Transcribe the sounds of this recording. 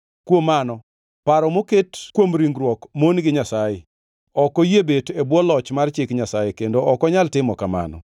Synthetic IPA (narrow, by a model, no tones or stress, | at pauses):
kwomːanɔ | paɾɔmoketkwomɾiŋɡɾwɔkmonɡɪɲasajɛ | ɔkɔjebetebwɔlɔt͡ʃmart͡ʃɪkɲasajekendoɔkɔɲaltɪmɔkama̰nɔ̰